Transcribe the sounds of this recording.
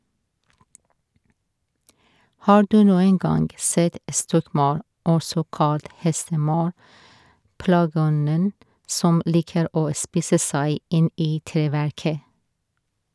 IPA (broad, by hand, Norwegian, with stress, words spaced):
ˈhɑː ˈɖʉː ˈnuːəŋ ˈɡɑnɡ ˈseːt ə ˈstɔkˌmɑɾ ˈɔsɔ ˈkɑlt ˈhɛstəˌmɑɾ ˈplɑːˌɡɔnən ˈsɔm ˈliːkəɾ ˈoː ˈspiːsə ˈsæɪ ˈɪn ˈiː ˈtɾeːʋæɾkə